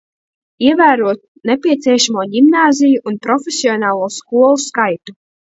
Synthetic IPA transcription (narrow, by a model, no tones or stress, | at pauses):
iɛvæːɾuɔt̪̚ | nɛpʲiɛt̪siɛʃamuɔɟimnaːzʲijuʔːnpɾɔfʲesiɔnaːlˠuɔskuɔlˠuskajt̪u